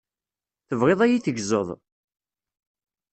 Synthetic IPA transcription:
θəvʁeðˤæjiθəɡzˤəðˤ

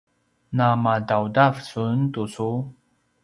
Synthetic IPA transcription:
namadawdafsunt̪usu

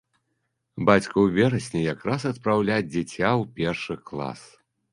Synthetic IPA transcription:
bat͡sʲkɐwvʲɛɾɐsʲnʲɛjakɾasɐt̪̚pɾawlʲat͡sʲd͡zʲɛt͡sʲawpʲɛrʂɨklˠa̰s

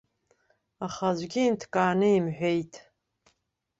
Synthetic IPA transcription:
aχazʷɡʲiːntʰkʼaːnɨimħʷᶣejtʼ

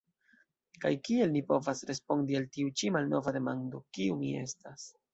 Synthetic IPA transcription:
kajkie̞lnipo̞vasɾe̞spo̞ndialtiut͡ʃimalno̞vade̞mando̞kiumie̞̰stas

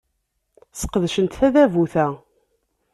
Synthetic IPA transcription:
sə̥qːəðʃənt̪θæðævuθæ

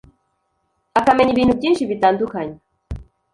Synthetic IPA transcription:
akameɲʲiβinuk̚t̪ʲinʃiβit̪and̪ukʰaɲ

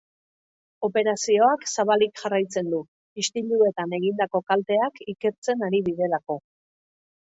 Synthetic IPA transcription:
o̞pe̞ɾasio̞aksaβalikʝarajt͡se̞nd̪u | ist̪ilue̞t̪ane̞ɣind̪ako̞kalt̪e̞akike̞ɾt͡se̞naɾiβiðe̞lako̞

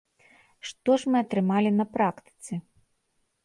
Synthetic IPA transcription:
ʂt̪ɔʐmɨɐt̪ɾɨmalʲinɐpɾakt̪ɨ̥t̪sɨ

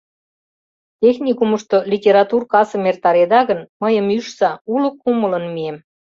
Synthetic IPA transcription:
t̪ʲexnʲikuməʃt̪olʲitʲeɾɑt̪urkɑsə̆mert̪ɑɾed̪ɑɣənməjə̆myʃsɑulə̆kːumələ̆nmiem

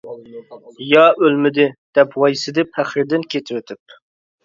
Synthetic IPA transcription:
jɑʔølmɪd̪ɪd̪̥ɛpwɑjsɪd̪ɪpʰæχɾɪd̪ɪnkʲʰet̪ʰɪwet̪ʰɪp̚

